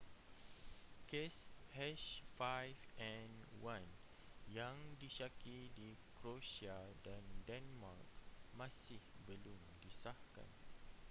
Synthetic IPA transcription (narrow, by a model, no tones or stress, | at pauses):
keshɛʃfajfɛ̃nwãn | jaŋdiʃakidi | kɾoʃiadandɛnmak̚mãsɪhbəlumdisahka̰n